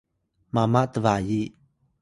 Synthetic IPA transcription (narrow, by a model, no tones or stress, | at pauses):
mamaʔt̪əvaji